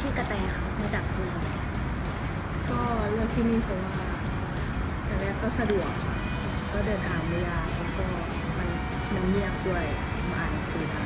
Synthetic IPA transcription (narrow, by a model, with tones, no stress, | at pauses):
t̪ʰiː˥˩ka˧t̪ɛː˧ŋkʰa˧˥˩wkʰɔ˧˦t͡ɕa˨˩k̚diː˧˩˧ | kɔː˥˩lɯ˥˩ək̚t̪ʰiː˥˩niː˧˥˩pʰo˨˧˦maa˧˩˧ | t̪ɛː˨˩nɛː˧˥kɔː˥˩sa˧du˨˩əkʰːa̰˧˩ | kɔː˥˩dɤː˧nt̪ʰaː˧ŋwe˧jlaː˧˩pʰo˧˦kɔː˥˩ | ma˧la˨˩ | na˧˦ŋni˥˩ək̚du˥˩əj | ma˧ʔaː˨˩na˧siː˨˦kʰa˧˩